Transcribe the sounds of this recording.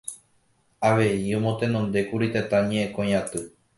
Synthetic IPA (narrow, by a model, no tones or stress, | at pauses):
aʋe̞iõmõ̞t̪ẽnõnd̪e̞kuɾit̪et̪ãɲẽ̞ʔẽkõjãt̪ɨ